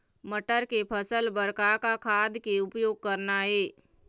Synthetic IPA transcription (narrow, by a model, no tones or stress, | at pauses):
məʈəɾkepʰəsəlbəɾkakakʰaːd̪ʱkeʊpjoːɡ̚kɐɾnaɦeː